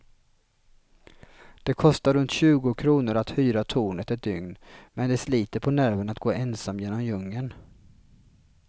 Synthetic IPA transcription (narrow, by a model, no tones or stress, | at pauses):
d̪̥ɛkʰɔst̪aɾɵnt̪ɕʉ̟ːɡʊkʰɾuːnʊɾat̪hyːɾat̪ʰuːnət̪ɛt̪̚d̪ʏŋnmɛnd̪ɛsliːt̪əɾpʰɔnɛːvənat̪̚ɡoːʔɛnsamːjeːnɔmjɵŋːən